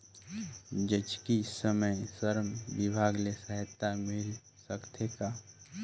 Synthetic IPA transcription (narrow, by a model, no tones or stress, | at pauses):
d͡ʒət͡ʃkisəməjsəɾmʋɪbʱaːɡlesəɦɪt̪ːamɪl | səkt̪ʰeka